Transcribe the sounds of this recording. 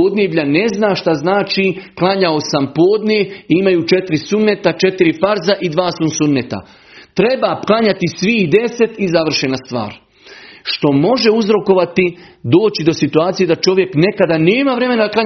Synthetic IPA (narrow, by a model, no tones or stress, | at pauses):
oːd̪nebʎʲane̞znaːʃt̪aznaːt͡ʃiklˠaɲaosampo̞ːd̪ɲeimajuːt͡ʃe̞t̪ɾisunːet̪at͡ʃe̞t̪iɾifaɾzaʔid̪ʋaːsunsunːet̪a̰ | t̪ɾe̞bapklaɲat̪isʋihd̪e̞se̞t̪izaʋr̩ʃenast̪ʋa̰ːɾ | ʃt̪o̞mo̞ʒe̞uzɾo̞ko̞ʋat̪id̪o̞ːt͡ɕid̪o̞sit̪uaːt̪sijed̪at͡ʃo̞ʋjekne̞kad̪ane̞ːmaʋɾe̞me̞nad̪akla